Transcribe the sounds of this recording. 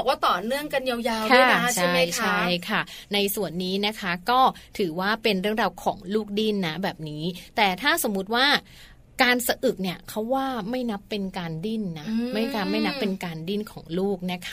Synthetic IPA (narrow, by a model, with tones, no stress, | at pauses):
ɔ˨˩kwaː˥˩t̪ɔː˨˩nɯ˥˩əŋka˧nja˧wjaː˧wua˥˩a˦˥t͡ɕʰa˥˩a˦˩t͡ɕʰa˥˩jkʰa˥˩na˧jsu˨˩ənːiː˦˥na˦˥kʰa˦˥kɔː˥˩t̪ʰɯː˩˦waː˥˩pe˧nɾɯ˥˩əŋɾaː˧wkʰɔ̰ː˩˦ŋluː˥˩k̚di˥˩nːa˦˥bɛː˨˩p̚niː˦˥t̪ɛː˨˩t̪ʰaː˥˩so˩˦mːu˦˥t̪̚waː˥˩ | kaː˧nsa˧ʔɯ˨˩k̚ni˧˥˩əkʰa˦˥wːaː˥˩ma˥˩jna˦˥pːe˧nkaː˧ndi˥˩nːa˦˥ma˥˩jkaː˧˩ma˥˩jna˦˥pːe˧nkaː˧ndi˥˩nkʰɔː˩˦ŋluː˥˩k̚na˦˥kʰa˦˩